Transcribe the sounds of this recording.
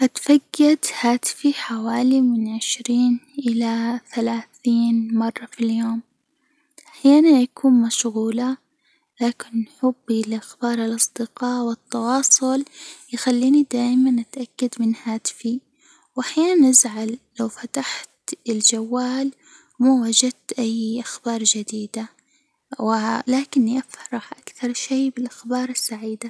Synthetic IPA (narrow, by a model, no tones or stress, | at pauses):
ʔat̪faɡːad̪haːt̪ɪ̥fiħawaːlimɪnʕɪʃɾiːnʔɪlaθalaːθiːnmɑrˤːɑfiljoːm | ʔaħjaːnanjakʰuːnmaʃɣuːla | laːkɪnːħʊbːilʔaxbɑːɾˤɪlʔɑsˤd̪̥ɪqɑːʔwɪt̪ːɑwɑːsˤʊljɪxalːiːnid̪aːʔmanʔat̪ʔakːad̪mɪnhaːd̪fi | wʔaħjaːnanʔazʕalːawfat̪aħt̪ɪld͡ʒawːaːl | mawad͡ʒad̪t̪ʔajːʔaxbɑːɾˤd͡ʒɪd̪iːd̪a | wɪlaːkɪnːiʔafɾˤɑħʔakθɑɾˤʃeːbɪlʔaxbɑːɾˤɪsːaʕiːd̪a